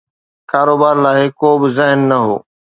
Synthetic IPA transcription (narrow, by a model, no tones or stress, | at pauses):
kaːɾoːbaːɾlaːɪkoːbɪzɪɦnːɐɦo̰ː